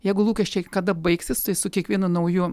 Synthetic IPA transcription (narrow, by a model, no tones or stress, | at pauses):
jɛɪɡʊlˠuːkʲɛʃʲt͡ʃʲɛɪkɐd̪ɐbɐɪksʲɪst̪ɐɪsʊkʲiɛkʋʲiɛnʊnɐʊjʊ